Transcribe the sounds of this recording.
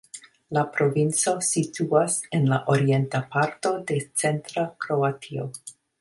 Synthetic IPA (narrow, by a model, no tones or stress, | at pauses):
lapɾo̞vint͡so̞situase̞nlaʔo̞ɾie̞ntapaɾto̞de̞t͡se̞ntɾakɾo̞atʰio̰